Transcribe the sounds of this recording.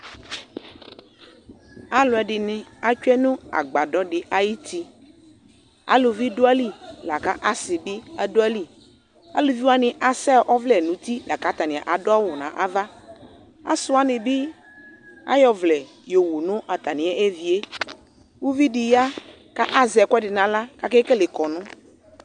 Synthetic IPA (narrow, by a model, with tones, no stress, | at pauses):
a˨lo˨a˨ɖɪ˨nɪ̃˨a˨t͡ʃɛ˦nũ˦a̰˨ɡ͡ba˨ɖɔ˦ɖɪ˨ʔa˦ji˦t̪i˦ | a̰˦lo˨vi˦do˦a˦li˦la˨ka˦ʔa˦sɪ˨bi˦a˦do˦a˦li˦ | a̰˦lo˨vi˦wa˦nɪ̃˨ʔa˨sɛ˦ʔɔ˦vlɛ˨nũ˨˦t̪i˦la˨ka˦t̪a˨nɪ̃˨a̰˨ʔa˨dʊ˦a˦wʊ˨nã˨ʔa˦va˦ | a̰˦sʊ˦a˦nɪ̃˨bɪ˦ | a̰˦jɔ˨vlɛ˨ | jo˨wu˨nʊ̃˦ʔa˨t̪a˨nɪ̃˨˦ɛ˦ʔe˦vi˨e˦ | wu˦vi˦dɪ˨ja˦ | ka˦ʔa˦zɛ˨kɛ˦dɪ˨nã˨la˦ka˦ke˦ke˦le˨kɔ˨nʊ̃˦